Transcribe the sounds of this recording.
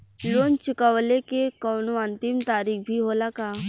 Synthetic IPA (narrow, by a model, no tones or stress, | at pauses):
loːnt͡ʃʊkəʋlekekɔːnoə̃nt̪ɪmt̪aːɾiːkbʱiɦoːlakaː